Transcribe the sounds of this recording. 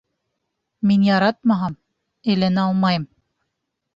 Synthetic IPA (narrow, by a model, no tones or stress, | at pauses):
minjɑɾɑt̪̚mɑɦɑm | ɘ̆jlænɑlˠmɑjm